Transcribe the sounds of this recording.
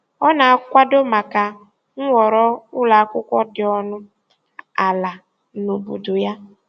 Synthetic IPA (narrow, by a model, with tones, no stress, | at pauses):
ɔ˦na˨a˦kʷa˦do˦ma˨ka˨ | ŋ̩˦wʷɔ˨ɾɔ˦ʊ˦la˨˦kʷʊ˦kʷɔ˦dɪ˨ɔ˦nʊ˦ | a˨la˨ | no˨bu˨dʊ˨ja˦